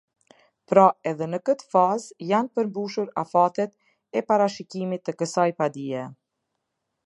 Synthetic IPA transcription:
pɾaɛðɛnəkət̪fazjanpəɾmbuʃuɾa̰fat̪ɛt̪ | ɛpaɾaʃicimit̪ːəkəsajpad̪iɛ

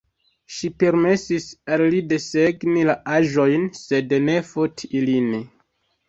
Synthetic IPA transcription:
ʃipe̞ɾme̞sisalːide̞se̞ɡnilaaʒo̞jnse̞dne̞fotʰiilini

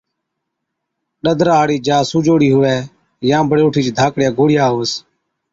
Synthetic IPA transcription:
ɗəd̪ʱɾaːɽiːd͡ʒaːsuːd͡ʒoːɽiːɦʊʋɛː | jãːbʱəɽeːʊːʈʰiːt͡ʃːd̪ʱaːkɽjaːɡoːɽɪjaːɦoːs

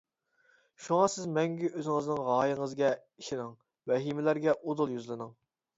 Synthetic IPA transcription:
ʃuŋɑsɪzmɛŋɡʲyʔøzɪŋɨznɪŋʁɑːjɨŋəzɡʲɛiʃɪnɪŋ | vɛɦimɪlæɾɡʲɛʔod̪ʊlˠjyzlˠɨnɨŋ

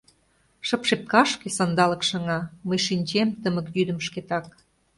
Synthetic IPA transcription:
ʃəpʃep̚kɑʃkesɑnd̪ɑlɤ̆kʃɤ̆ŋɑməjʃinʲt͡ɕemt̪əmə̆kjyd̪ə̆mʃket̪ɑk̚

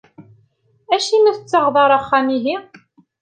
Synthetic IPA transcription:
æʃimiθət͡sːɑʁðˤɑɾˤɑχːæmiɦi

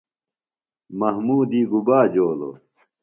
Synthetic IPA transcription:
mɐhmuːd̪iːɡubaːd͡ʑoːlo̰

